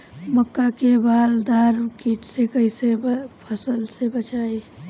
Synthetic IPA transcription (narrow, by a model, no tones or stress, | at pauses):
məkːakebaːld̪aɾkiʈsekəisebpʰəsəlsebət͡ʃae